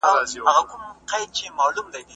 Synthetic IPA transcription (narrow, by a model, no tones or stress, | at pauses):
aaɣakʊmqajd̪̚t͡ʃemalumd̪ajd̪